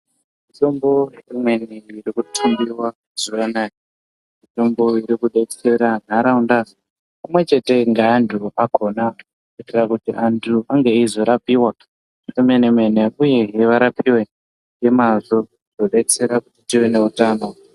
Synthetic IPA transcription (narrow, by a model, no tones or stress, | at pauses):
mito̞mbo̞imweniirikutʰumbiwa | z̥uʋana | mito̞mbo̞iɾikuɗet͡seɾan̤aɾaunda | pamwe̞t͡ʃe̞te̞ŋɡaːntʰuakʰo̞na | itirakutiʔantʰuaŋɡeizo̞ɾapiwa | emenemwe̞neuje̞ɦeʋaɾapiwe | ŋɡemazo | inoɗeit͡seɾakutitiwene̞utaːno̞